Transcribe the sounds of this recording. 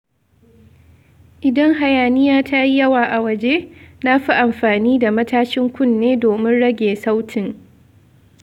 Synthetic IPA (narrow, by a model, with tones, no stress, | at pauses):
ʔɪ˨dɐ˦ŋɦa˨jaː˨nɪ˦jaː˦tʰa˦ji˦jɐ˦waː˨ʔa˨wɐ˦d͡ʒeː˦na˦ɸi˦ʔa˨mɸaː˨niː˦da˨mɐ˦taː˦ʃɪ˦ŋkʷʊ˦nːeː˦doː˨mɪ˦nɽɐ˦ɡʲeː˨sa˦wtʰɪ˨ŋ